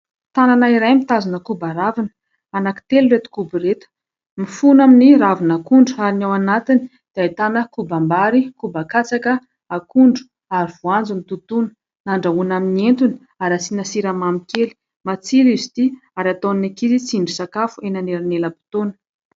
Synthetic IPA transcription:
t̪ananaiɾajmit̪azinəkubaɾavinə̥ | anaki̥t̪eluret̪i̥kubiret̪ə̥ | mifunaminiɾavinakuɳɖ͡ʐuaɾinawanat̪ini̥ | d̪̥iait̪anəkubambaɾikubakat͡sakə | akuɳɖ͡ʐu̥ | aɾiv̥uand͡zunit̪ut̪unə̥ | naɳɖ͡ʐaɦunaminient̪uni̥ | aɾasinasiɾamamikeli̥ | mat͡siɾizit̪iaɾat̪onnakizit͡siɳɖ͡ʐisakafuenaneɾaneləpu̥t̪onə̥

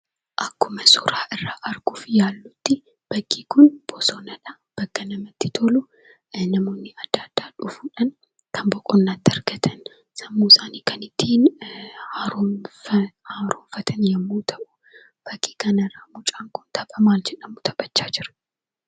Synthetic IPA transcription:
ʔɐkːʊmɐsʊɾaːʔɪrːaːʔɐɾɡ̥uːfjaːlːʊt̪ːɪ | b̥ɐɡːiːkʊnb̥ɔsɔnɐᶑɐ | b̥ɐkːɐnɐmɐt̪ːɪt̪ʰolʊ | nɐmo̞ːnːɪɐd̪ːɐd̪̥ːaːᶑʊfuːᶑɐn | kʰɐmbɔkʼɔnːaːt̪ːɪɐɾɡɐt̪ʰɐn | sɐmːuːɪsaːniːkɐnɪt̪ʰːiːn | haːɾoːɱfɐt̪ʰɐnjɐmːuːt̪ʰɐʔʊ̥ | b̥ɐkʼːi̥ːkɐnɐrːaːmʊt͡ʃʼaːŋkʊnt̪ʰɐbʼɐmaːld͡ʒɛᶑɐmʊt̪ʰɐ̥bɐt͡ʃːaːd͡ʒɪɾɐ̥

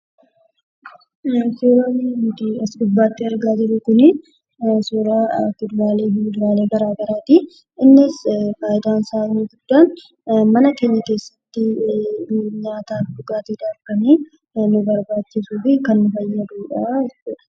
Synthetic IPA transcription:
suːɾɐnt̪ɪɐskʊdbːaːt̪ːɪɐɾɡaːd͡ʒɪɾʊkʊnɪ | suːɾakʊd̪ʊɾaːleːhɪʊd̪ʊɾaːleːbɐɾaːɡɐɾaːt̪ɪ | ɪnːɪsbaːjɪd̪aːnsaːʔnuɡʊd̪̥ːaːn | mɐnɐkeːɲːɐke̞ːsːɐ̥t̪ːɪ | ɲaːt̪aːfd̪ʊɡaːt̪iːᶑaːfkɐniː | nʊbɐɾbaːt͡ʃːɪsuːfɪkɐnːʊfɐjːɐd̪uːᶑɐɪsʊ̥

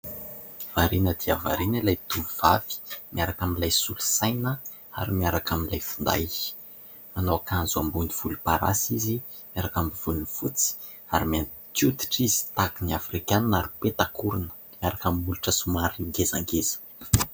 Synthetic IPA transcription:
v̥aɾinəd̪iava̰ɾinəlajt̪uviv̥av̥i̥miaɾakaminlajsulu̥sajnə | a̰ɾimiaɾakaminlajfu̥nd̪a̰j | manowakanzuambuniv̥ulupaɾa̰sizi | mjaɾakambiv̥ulunifut͡si̥ | aɾimian | t̪ut̪i̥ʈ͡ʂizi̥t̪akiniafrikaninaɾupet̪akuɾunə̥ | miaɾakamimuluʈ͡ʂəsumaɾiŋɡeza̰ŋɡezə̥

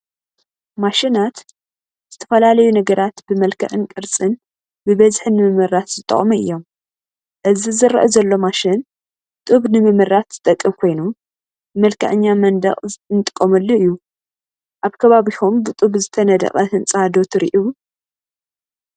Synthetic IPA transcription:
maʃɪnat̪ | z̥ɨt̪ʰɐ̥fɐlalɐjunɐɡɐɾat̪bɨmɐlkʰɐ̰ʕɨnkʼɨɾt͡sʼɨn | bɨβɐzħɨnɨmɨmɨɾat̪z̥ɨt̪ʼɐ̰χʼmuɨ̰jːo̞m | ʔɨzizɨɾɐ̰ʔɐzɐlːo̞maʃɪn | t̪ʼuβnɨmɨmɨɾat̪z̥ɨt̪ʼɐkʼːɨmkʰo̞jnu | bɨmɐlkʰɐ̰ʕɨɲːamɐnd̪ɐ̰χʼnt̪ʼɨkʼːomɐlːoɨjːu | ʔaβkʰɐβaβihombɨt̪ʼuβzɨt̪ʰɐnɐd̪ɐ̰χʼɐhɨnt͡sʼɐhad̪o̞t̪ʰɨɾḭʔu

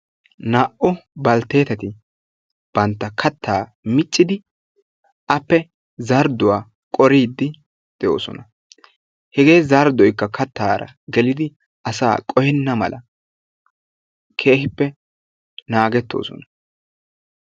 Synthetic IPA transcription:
naːʔʊbɐlt̪ːe̞ːt̪ɐt̪ɪ | b̥ɐnt̪ːɐkʰɐt̪ʰːaː | mɪt͡ʃʼːɪd̪ɪ | ʔɐpːɛ | zɐɾd̪ʊwaː | kʼɔɾiːd̪ːɪ | d̪̥ɛjoːsɔ̰nɐ | hɛɡe̞ːzɐɾd̪ɔjkːɐkɐt̪ːaːɾʔɐ̰ɡɛlɪd̪ɪ | ɐsa̰ːkʼɔjɛnːɐmɐ̰lʔɐ | kʰe̞ːhɪpːɛ | naːɡɛt̪ːo̞̰ːsɔ̰nɐ

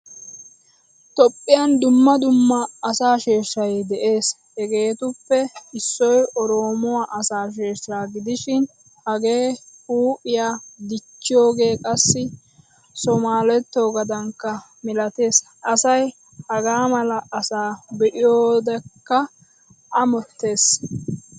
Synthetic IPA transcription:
t̪ɔpʼːɪjɐnd̪ʊmːɐd̪ʊmːɐɐsaːʃeːʃɐjd̪ɛʔe̞ːs | hɛɡe̞ːt̪ʊpːɛɪsːɔjʔɔɾoːmɔwaːʔɐsaːʃ̬e̞ːʃɾaːɡɪd̪ɪʃɪn | hɐɡe̞ːuːʔɪjaːd̪ɪt͡ʃːɪjo̞ːɡe̞ːkʼɐsːɪ | sɔmaːlɛt̪ːoːɡɐd̪ɐŋkːɐ | mɪlɐt̪e̞ːs | ʔɐsɐj | hɐɡaːmɐlɐʔːsaːbɛʔɪjoːd̪ɛkːɐ | ʔɐmɔt̪ːe̞ːs

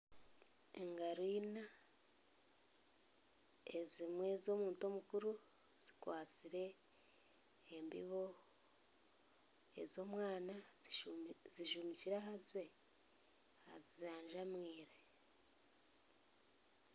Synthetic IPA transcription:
eŋɡaɾwiːna | ezimwe̞zo̞ːmuːnto̞mukuɾu | z̥ikwaːt͡siɾe̞ | mbḭβo̞ | ḛzo̞ːmwaːna | ziʃumiciɾaɦaze | hazizaːɲʒamwiːɾe

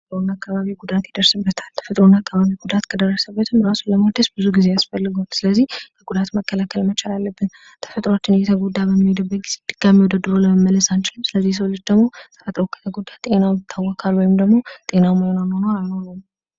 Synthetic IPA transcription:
t̪ʼɾonakːaβaβiɡud̪at̪jɪd̪əɾsɨbːət̪ʰḁlt̪ʰə̥fət̪ʼɾonakʰːaβaβiɡud̪at̪kʰəd̪ərːəsəbːət̪ʰɨmɾasuləmad̪əsbɨzuɡize̞jasfəlːɨɡot̪sɨləzːihkʰəɡud̪at̪məkːəlakʰəlmət͡ʃalalːəbːɨn | t̪ʰə̥fət̪ʼɾat͡ʃːɪnjɛt̪ʰəɡod̪abəmːid̪əbːəɡiz̥id̪ɨɡ̥amiwɔd̪əd̪ːɨɾoləməmːələsant͡ʃɪlɨmsɨləzːihs̬əwlɨd͡ʒd̪əɡmo̞səfat̪ʼɾokʰə̥t̪ʰəɡod̪at̪ʼe̞nawjɪt̪ʰːawːɔkʰalwɔjɪmd̪əɡmo̞t̪ʼe̞nawməjonanonəwalnəwnəw

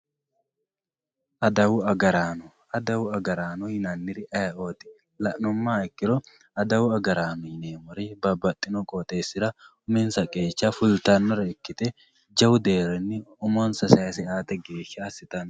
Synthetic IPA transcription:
ʔɐd̪ɐwʊɐɡɐɾaːnɔ | ɐd̪ɐwʊɐɡɐɾaːnɔhɪnanːɪɾɪʔɐjɐʔoːt̪ɪ̥ | lɐʔnɔmːaːɪkːɪɾɔ | ɐd̪ɐwʊɐɡɐɾaːmɛjɪneːmɔɾɪbɐbːɐt̪ʼːɪnɔkʼoːt̪ʼe̞ːsːɪɾɐʊmɛnsɐkʼeːt͡ʃːafʊlt̪ɐnːɔɾɐɪkːɪt̪ɛ | d͡ʒɐwʊd̪eːɾɛnːɪʊmɔnsɐsɐjɐsɛaːt̪ɛɡe̞ːʃːɐːsɪt̪ɐn

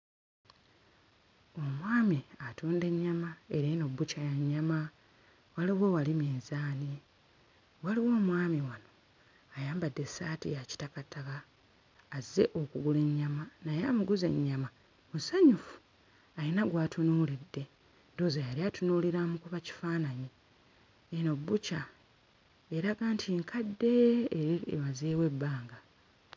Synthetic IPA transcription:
o̞mwaːmiatuːnde̞ɲːamae̞ɾeno̞bːucajaɲːama | waliwe̞walimeːnzaːni | waliwo̞ːmwaːmiwano̞ | ajaːmbadːe̞saːtḭjaci̥takatakaː | ze̞̰ʔo̞kuɡule̞ɲːamanajamuɡuze̞̰ɲːama | musaɲufu̥ | ajinaɡwaːtunuːlidːe̞ | ndoːzajaɾiatunuːliɾamukuβaci̥faːnaɲi | eno̞bːuca | eɾaɡaːntʰiŋkʰadːe̞ | eβazeːwe̞bːaːŋɡa

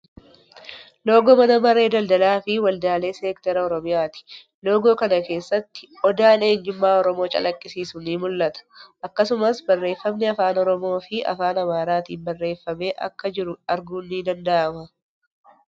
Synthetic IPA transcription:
lo̞ːɡɔːmɐnɐmɐɾe̞ːd̪ɐld̪ɐlaːfɪwɐld̪aːle̞ːseːkt̪ɐɾɐɔɾɔmɪjaːt̪ɪ̥ | lo̞ːɡo̞ːkɐnɐke̞ːsːɐt̪ːɪ̥ʔɔd̪aːne̞ːnd͡ʒɪmːaːɔɾɔmo̞ːt͡ʃʼɐ̰lʔɐkʼːɪsiːsʊnimʊlːɐt̪ɐ̥ʔɐkːɐsʊmɐsbɐrːe̞ːfːɐmnɛɐfaːnɔɾɔmo̞ːfɪɐ̰faːnɐmaːɾaːt̪ḭːfbɐrːe̞ːfːɐme̞ːʔɐ̰kːɐd͡ʒɪɾʊɐɾɡuːnːid̪ɐnd̪ɐʔɐmɐ

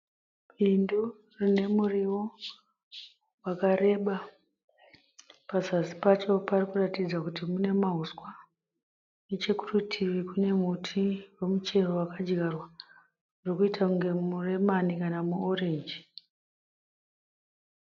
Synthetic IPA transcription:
ɓindu | rine̞muriwo̞ | wakare̞ɓa | pazasi̥pat͡ʃo̞parikuratid͡zakutimune̞maɦuskwa | net͡ʃe̞ku̥rutʰiʋikune̞mutʰiwe̞mut͡ʃe̞rowakad͡ʒɡarwa | rokuitakuŋɡe̞muremanikanamuore̞ɲd͡ʒi

